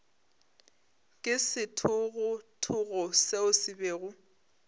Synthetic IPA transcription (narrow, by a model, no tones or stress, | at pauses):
kʼɪsɪtʰʊɣʊtʰʊɣʊseʊsɪbeːɣʊ